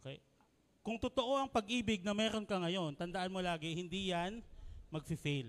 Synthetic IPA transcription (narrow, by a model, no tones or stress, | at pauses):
ʔokḛj | kʊŋt̪ot̪o̞ʔo̞ʔɐŋpɐɡʔiːbɪɡ̚nɐmɛːɾo̞nkɐŋɐjo̞nt̪ɐnd̪ɐʔanmo̞laːɡɪhɪnd̪ijanmɐɡsɪsil